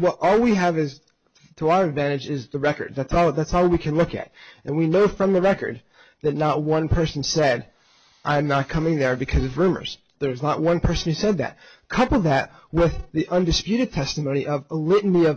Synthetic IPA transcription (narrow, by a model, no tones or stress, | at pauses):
wʌɾʔɔlˠwiɨvɪz̥ | tʰəaʊə˞ɨdvæ̃ɾ̃ɨd͡ʒɪzðəɹɛkə̰˞d̪̚ðætsɔlˠðætsɔlˠwikʰɨ̃nlʊkɨ̰ɾʔɨ̃nwinoʊfɹʌ̃mðəɹɛkə̰˞d̪̚ | ðɨtⁿnət̚wʌ̃npʰɜ˞sn̩sɛɾ | ʔãɪ̃mnət̚kʰʌmɪ̃ŋðə˞bɨkʰʌzʌvɹʉ̃mə̰˞z̥ | ðə˞znəʔ̚wʌ̃npʰɜ˞sn̩hʉsɛd̪̚ðæ̰t̚ | kʰʌpl̩ˠðæt̚ | wɪððiʔʌ̃ndɨspjʉɾɨd̚tʰɛstmõʊ̃ñiʔʌvəlɪʔn̩iʌ